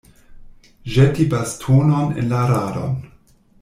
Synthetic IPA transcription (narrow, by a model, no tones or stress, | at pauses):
ʒetibastʰunonḛnlaɾaɾo̰n